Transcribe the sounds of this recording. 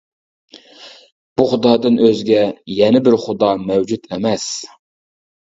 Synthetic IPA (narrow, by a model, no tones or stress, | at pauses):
b̥uχʊd̪ɑːd̪ɨnøzɡʲɛjɛnɪbɪɾχʊd̪ɑːmɛwd͡ʒut̪ʰɛmɛs